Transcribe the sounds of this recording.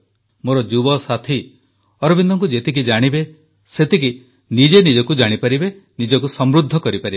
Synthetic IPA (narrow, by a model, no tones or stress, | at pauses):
moɾɔd͡ʒubɔsat̪ʰi | ɔɾɔbind̪ɔŋkud͡ʒet̪ik̬id͡ʒaɽ̃ibe | set̪iki | nid͡ʒenid͡ʒɔkud͡ʒaɽ̃ipaɾibenid͡ʒɔkusɔmɾud̪ʱːɔkɔɾipaɾibe